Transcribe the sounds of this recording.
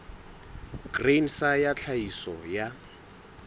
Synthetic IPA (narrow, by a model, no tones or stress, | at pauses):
ɡ̥rensajat͡ɬʰaisɔja